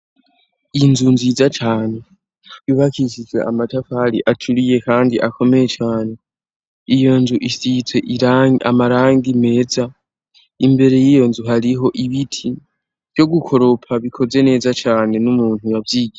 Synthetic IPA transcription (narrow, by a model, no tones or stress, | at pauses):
inzunzizat͡ʃaːne̞ | iβakisizwe̞̰amatafaɾḭʔatʰuɾije̞kaːndiʔakʰo̞me̞jet͡ʃaːne̞ | ijo̞nzuʔisit͡swe̞ʔia̰maɾaːŋɡime̞ːza | imbe̞ɾe̞jijo̞nzuɦaɾiɦo̞ʔiβitʰi | v̥jo̞ɡukʰo̞ɾo̞pʰaβikʰo̞ze̞ne̞ːzat͡ʃaːne̞numuːnhujavjiːɡiɾe